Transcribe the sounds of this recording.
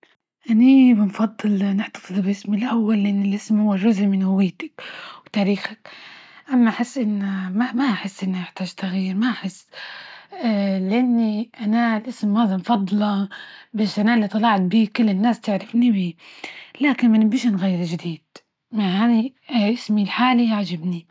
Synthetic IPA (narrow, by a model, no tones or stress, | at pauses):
ʔanibɪnfɑd̪ˤːɨlnɪħt̪ḁfɨðˤbʔɪsmɪlʔawːalːɪʔɪnːɪlʔɪsmhʊwːarˤːʊzʕmɪnhʊwɪːt̪ḁkwt̪aːɾiːxakʔamːaʔaħɪsːʔɪnːamamaʔaħɪsːʔɪnːiʔaħt̪aːʒt̪aɣiːɾmaʔaħɪsː | lɪʔanːiʔanalʔɪsmːaːzɪmfɑd̪ˤːlɑbaːʃʔanaɪlːit̪ˤɑlɑʕt̪̚biːkʊlːɪnːaːst̪ɪʕɾɪfnibiːlaːkɪnmanɪbiːʃanɣajːɪɾʒɪd̪iːd̪̥̚ | maaniʔɪsmilħaːliʕad͡ʒabni